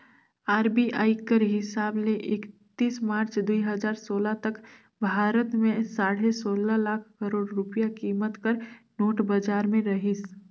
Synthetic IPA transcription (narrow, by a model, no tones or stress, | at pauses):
aːɾbiaːɪkəɾɦɪsaːbleʔɪkt̪iːsmaːɾt͡ʃd̪uiɦɐd͡ʒaːɾsoːlat̪ɐk | bʱaːɾət̪mẽsaːɽ̤esoːlalaːkʰkəɾoːɽɾʊpjakiːmət̪kəɾ | noːʈbəd͡ʒaːɾmẽɾɐɦis